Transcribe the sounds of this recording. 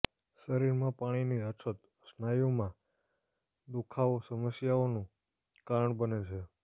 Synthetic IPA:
səɾiɾmãpaɽ̃iniət͡ʃʰət̪ | snajomã | d̪ukʰaosəməsjaonũ | kaɾəɳbənet͡ʃʰe

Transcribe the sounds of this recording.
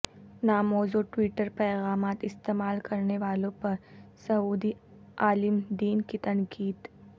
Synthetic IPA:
naːmoːzoʈwiːʈəɾpajɣɑːmɑːt̪ɪst̪eːmɑːlkɐɾnewɑːlopəsɐuːd̪i | aːlɪmd̪iːnkit̪ɐŋkʰiːd̪

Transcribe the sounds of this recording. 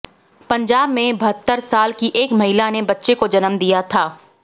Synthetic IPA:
pɐ̃ɲd͡ʒaːbmẽbɐɦət̪ːəɾsaːlkiʔeːkmɐɦɪlanebɐtːʃekod͡ʒɐnəmd̪ijat̪ʰaː

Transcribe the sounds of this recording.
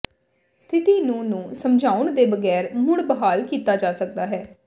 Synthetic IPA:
st̪ʰɪt̪iːnũːnũːsəmd͡ʒʱaːʊɳd̪eːbəɡɛːɾmʊɽbəɦaːlkiːt̪aːd͡ʒaːsək̚d̪aːɦɛː

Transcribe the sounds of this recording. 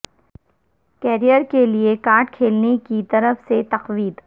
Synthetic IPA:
kɛːɾijəɾkeliekaːɾʈkʰeːlnekit̪ɐɾəfset̪ɐqʋiːd̪

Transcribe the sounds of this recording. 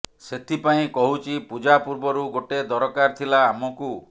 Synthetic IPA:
set̪ʰipaĩkɔɦut͡ʃʰipud͡ʒapuɾbɔɾuɡoʈed̪ɔɾɔkaɾt̪ʰilaːmɔku

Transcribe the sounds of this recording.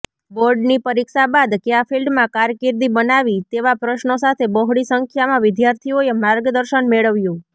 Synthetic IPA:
boɾɖnipəɾikʃabad̪kjafʰilɖmãkaɾkɪɾd̪ibənaʋit̪eʋapɾəʃnosat̪ʰebɔɦɽisəŋkʰjamãʋɪd̪jaɾt̪ʰioemaɾɡd̪əɾʃənmeɭəʋjũ

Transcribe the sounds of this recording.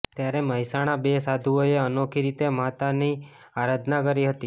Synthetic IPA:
t̪jaɾeməɦisaɽ̃abesad̪ʱuoeənokʰiɾit̪emat̪ani | aɾad̪ʱnakəɾiɦət̪i

